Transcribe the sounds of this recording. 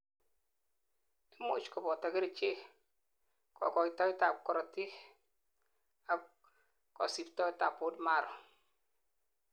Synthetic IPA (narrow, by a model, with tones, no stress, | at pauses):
ti˦mo̰˦˨t͡ʃkɔ˨bɔ˨ta˨ki˦ɾt͡ʃe˦ | kɔ̰˨kɔ˨jtɔ˦jta˨kːɔ˨ɾɔ˨ti˦ | a˨ | kɔ̰˨si˨ptɔ˦jta˨pːo˦tma˦˨ɾɔ˨